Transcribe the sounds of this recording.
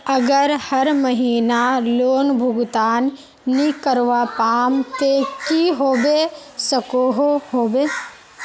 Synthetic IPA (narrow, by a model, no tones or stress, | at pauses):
ɐɡəɾhɐɾmɐɦiːnaloːnbʱʊɡt̪aːnː | ikəɾʋaːpaːmt̪ekiɦoːbesɐkoːɦoɦoːbeː